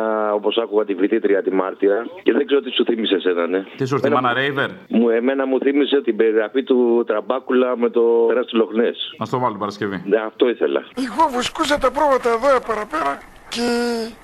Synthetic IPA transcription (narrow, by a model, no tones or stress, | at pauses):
o̞po̞sɐkuɣɐt̪ivɾit̪it̪ɾiɐt̪imɐɾt̪iɐce̞ðeɡze̞ɾot̪isuθimise̞senɐne̞t̪is̬oɾmenɐɐnɐɾeiveɾmueme̞nɐmuθimise̞t̪ibe̞ɾiɣɾɐfit̪ut̪ɾɐbɐkulɐme̞t̪o̞eɾɐst̪ilo̞xnesnɐst̪ovɐlot̪ipɐɾɐscevineɐft̪o̞iθe̞̰lɐ̰iɣovuskus̬ɐt̪epɾovɐt̪eːðoepɐɾɐpeɾɐ | ce